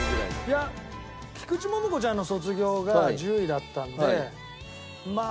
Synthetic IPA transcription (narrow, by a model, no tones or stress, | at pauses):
ja | kʲi̥kɯ̟t͡ɕimo̞moko̞t͡ɕãnːo̞so̞t͡sɨɡʲo̞ːɡad͡ʑɨːid̪at̪ːãnd̪ee | ma